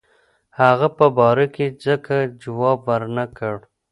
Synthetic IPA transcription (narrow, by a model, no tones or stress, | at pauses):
haɣapəbɑɾaked͡zəkad͡ʒawɑbwəɾnakəɽ